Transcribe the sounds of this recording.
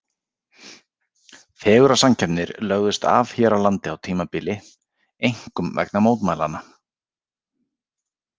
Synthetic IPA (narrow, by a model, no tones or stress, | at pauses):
fɛːɣʏɾasamcʰɛpnɪɾlœɣðʏst̪a̰ːvçɛːɾawlant̪ɪawt̪ʰiːmapɪːlɪ | ejŋ̥kʏmvɛ̰knamoːwt̪maːjla̰na